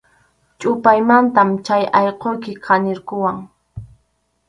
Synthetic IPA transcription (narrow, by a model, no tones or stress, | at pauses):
t͡ʃʼʊpajmant̪amt͡ʃajɑjqojkɪqʰɑnɪɾkʊwaŋ